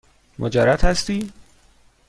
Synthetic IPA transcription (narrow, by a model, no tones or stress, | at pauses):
mʔo̰d͡ʒæɾæt̪hæst̪iː